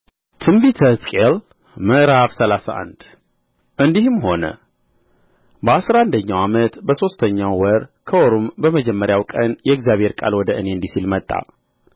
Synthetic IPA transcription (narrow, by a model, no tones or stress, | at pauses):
t̪ʰɨmbit̪ʰəskʼel | məɾaβsəlasa̰ʔa̰nd̪ | ʔɨnd̪ihɨmho̞nə̰ | bəasɾaand̪əɲːawamət̪bəso̞st̪ʰəɲːawwəɾkʰəoɾombəməd͡ʒɛmːəɾjawkʼənjɛɪɡzjaβhe̞ɾkʼa̰lwɔd̪əʔɨneɨnd̪isilmət̪ʼːa̰